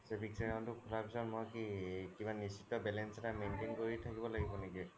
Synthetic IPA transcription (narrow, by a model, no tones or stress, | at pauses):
sepʰiksɛkantukʰulapisɔnmɔjkikibanisitɔbɛlɛnsɛtamentenkɔɹitʰakibɔlaɡibɔniki